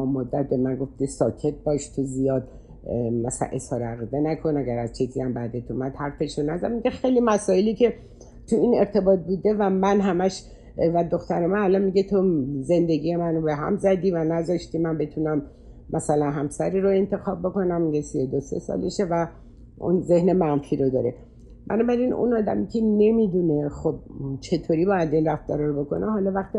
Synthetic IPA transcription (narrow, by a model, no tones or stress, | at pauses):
mod̪ːæt̪̚be̞mænɡo̞ft̪isɒːkʰe̞t̪̚bɒːʃt̪ʰozijɒːd̪ | mæsæ̰nʔe̞shɒːɾeæɣiːd̪enækʰo̞næɡæɾæz̥t͡ʃʰiziæmbæd̪et̪ʰumæd̪̥hæɾfe̞ʃɾonæzæd̪miɡʲexejlimæsɒːeliːcʰe̞ | t̪ʰuine̞ɾt̪ʰe̞bɒːt̪̚buːd̪e̞væmænɦæmæʃ | væd̪o̞xt̪æɾemænælɒnmiɟet̪ʰoze̞nd̪e̞ɡije̞mænobe̞ɦæ̰mzæd̪iːvænæzɒʃt̪imænbe̞t̪ʰunæmː | ʔæsælænɦæmsæɾiːɾoe̞nt̪ʰe̞xɒːb̚bo̞ko̞næmmiɡesiod̪ose̞̰sɒ̰leʃevæ | ʔṵnze̞hnemænfiːɾod̪ɒ̰ːɾḛ | bæ̰nɒːbæɾinṵnɒːd̪æ̰micʰe̞ne̞mid̪une̞xob̚t͡ʃʰe̞t̪ʰoːɾibɒːjæd̪inræft̪d̪ɒɾɒɾobo̞ko̞̰neɦɒlɒvæxt̪i